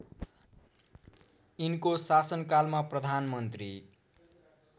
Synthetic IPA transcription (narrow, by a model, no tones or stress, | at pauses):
inkosasʌnkalmaprʌd̪ʱanmʌnt̪ri